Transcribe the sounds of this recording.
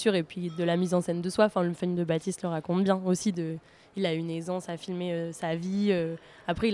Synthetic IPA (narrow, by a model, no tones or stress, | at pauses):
syʁepɥid̪əlamizɑ̃sɛnd̪əswaɑ̃fɛ̃ləfɛɲd̪əbat̪ist̪ləʁakɔ̃t̪bjɛ̃osid̪ə | ilaynezɑ̃safilmeøsaviø | apχɛil